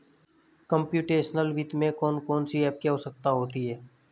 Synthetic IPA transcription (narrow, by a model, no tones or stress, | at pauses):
kə̃mpjuːʈeːʃənəlʋit̪mẽkɔːnkɔːnsiɛːp̚keɦoːsək̚t̪aɦoːt̪iɦɛː